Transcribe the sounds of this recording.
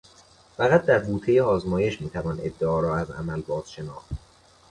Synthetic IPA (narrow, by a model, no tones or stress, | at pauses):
fæɣæt̪̚d̪æɾbuːt̪ʰejeɒːzmɒːje̞ʃmiːt̪ʰævɒːne̞̰d̪ːeɒːɾɒːæzæ̰mælbɒːz̥ʃe̞nɒːxt̪